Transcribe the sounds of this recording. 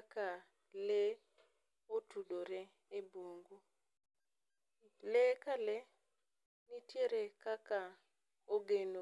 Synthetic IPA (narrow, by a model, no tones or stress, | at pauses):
aka | le | otudoɾɛ | ebwoŋɡu | lekalɛ | nitjeɾekaka | oɡeno